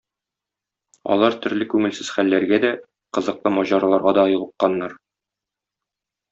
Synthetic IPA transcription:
ɒ̰lˠɑɾt̪ɵ̆ɾlɘkʉŋɘ̆lsɘzχælːæɾɡæd̪æ | qɤ̆zɤ̆qlˠɤmɒʑɑɾɑlˠɑɾʁɑd̪ɒjɤ̆lˠɤ̆qqːɑnːɑɾ

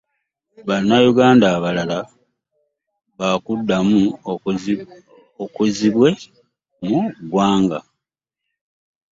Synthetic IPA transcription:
βanːajuɡaːndaːβalala | βakudːamu | okuziβwe̞ | muɡwaːŋɡa̰

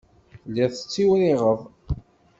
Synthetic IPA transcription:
læθə̥t͡sːiwɾiʁəðˤ

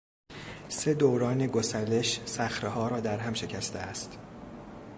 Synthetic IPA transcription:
se̞d̪owɾɒːneɡosæle̞ʃsæxɾehɒːɾɒːd̪æɾɦæmʃe̞cʰæst̪ḛæst̪

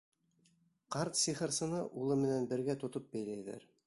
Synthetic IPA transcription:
qɑɾt̪siχɤ̆ɾsɤ̆nɤʔulˠɤmɘ̆nænbɘ̆ɾɡæt̪ŏt̪op̚bæjlæjðæ̰ɾ

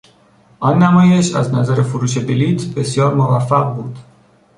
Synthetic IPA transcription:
ʔɒnːæmɒːje̞ʃæznæzæɾe̞foɾuːʃe̞beliːt̪ʰbe̞sjɒːɾmovæfːæɣbuːd̪̥

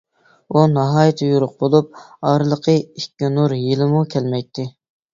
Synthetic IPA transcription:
unɑɦɑːjit̪ʰɪjuɾʊq̚bolˠup̚ | ɑɾɨlˠəqʰəikʲːinuɾjilɪmukʲʰɛlmɛjt̪ʰːɪ

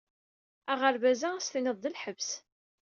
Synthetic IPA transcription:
æʁəɾvæzææsθinəðˤːəlħəvs

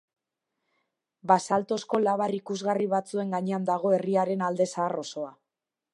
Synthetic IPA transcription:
basalt̪o̞sko̞laβarikuzɣariβat͡sue̞ŋɡaɲe̞and̪aɣ̞o̞e̞riaɾe̞nald̪e̞saːro̞so̞a

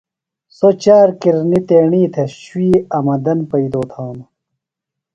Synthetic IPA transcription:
sot͡ɕaːɾkiɾnit̪eːɳiːt̪ʰeɕwiːɐmɐd̪ɐnpɐid̪oːt̪ʰaːnu

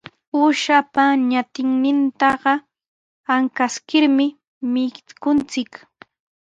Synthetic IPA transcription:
uʃapaɲat̪ɪŋnɪnt̪ɑɢɑ | aŋkaskɪɾmɪ | mɪkʊnt͡sɪk

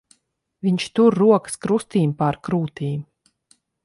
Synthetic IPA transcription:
viɲt͡ʃt̪uɾːuɔkə̥skɾust̪iːmpaɾkɾuːt̪iːm

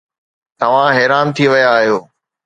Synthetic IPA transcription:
t̪ɐʋ̤ãɦɛːɾaːnt̪ʰiʋɐjaːɦijoː

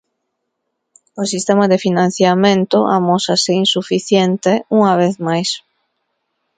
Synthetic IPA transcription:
ʊsist̪emaðefinãn̟θjamẽnt̪ʊʔa̰mosaseinsufiθjent̪euŋaβ̞eθmajs

